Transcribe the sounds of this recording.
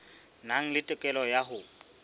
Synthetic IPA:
naŋ̩lɪtʼɛkʼɛlɔjaɦʊ

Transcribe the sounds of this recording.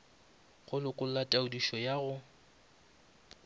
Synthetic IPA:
χʊlɪkʼʊlatʼaʊdiʃɔjaɣʊ

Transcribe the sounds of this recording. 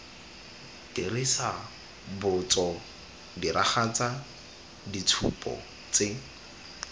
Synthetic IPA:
tirisa | bʊt͡sɔ | diɾaχat͡sa | dit͡sʰṵpʼɔ̰ | t͡sɪ

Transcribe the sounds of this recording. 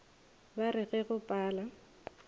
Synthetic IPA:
baɾɪɣɛɣʊpʼaːla

